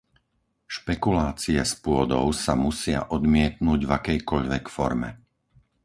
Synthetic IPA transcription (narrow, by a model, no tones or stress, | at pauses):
ʃpɛkulaːt͡siɛspʊɔd̪ɔ̰ʊsamusɪa̰ʔɔd̪mɪɛt̪nuːɟvakɛjkɔʎʋɛkfɔɾmɛ̰